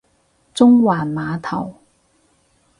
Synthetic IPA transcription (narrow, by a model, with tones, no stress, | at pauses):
t͡sʊ˥ŋwaː˨˩nmaː˨˧t̪ʰɐ˨˩w